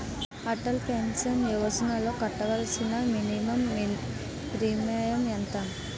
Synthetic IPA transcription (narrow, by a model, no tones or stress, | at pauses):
ɐʈɐlpensɐniʋɐsɐnɐloːkɐʈːɐɡɐlɐsinɐminimɐm | pɾiːmɐjɐment̪ɐ